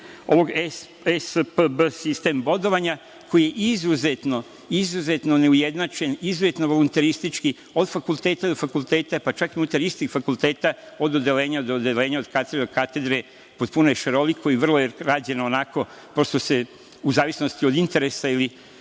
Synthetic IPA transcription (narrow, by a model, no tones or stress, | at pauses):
o̞̰ʋo̞ɡ | espəbəsist̪e̞mbo̞d̪o̞ʋaɲa | kʰo̞jijeʔizuzet̪no̞ | izuze̞t̪no̞neujed̪nat͡ʃenizuze̞t̪no̞ʋo̞lunt̪aɾist̪it͡ʃki | o̞d̪fakulˠt̪eːt̪aid̪ofakulˠt̪eːt̪apat͡ʃakiunut̪aɾist̪iɡfakulˠt̪e̞ːt̪a | o̞d̪od̪eleːɲad̪od̪ele̞ːɲaod̪kat̪eɾeokat̪e̞d̪ɾe̞ | po̞t̪̚punojeʃeɾo̞likʰoiʋr̩lˠojeɾaːd͡ʑe̞noːnako̞ | pɾo̞st̪o̞se | uzaːʋisno̞st̪io̞d̪int̪e̞ɾesaili